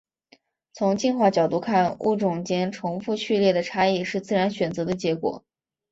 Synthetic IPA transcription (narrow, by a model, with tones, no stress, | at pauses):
t͡sʰʊ˧˥ŋt͡ɕi˥˧nxwa˥˩t͡ɕjɑ˨˩ʊt̪u˥˧kʰa˥˩nṵ˥˩ʈ͡ʂʊ˨˩ŋt͡ɕjɛ˥nʈ͡ʂʰʊ˧˥ŋfu˥˧ɕy˥˧ljɛ˥˩d̪ə˩ʈ͡ʂʰa˥i˥˩ʂɻ̩˥˧t͡sɹ̩˥˩ɻa˧˥nɕɥɛ˨˩nt͡sɤ˧˥d̪ə˧t͡ɕjɛ˧˥kwɔ̰˨˩˦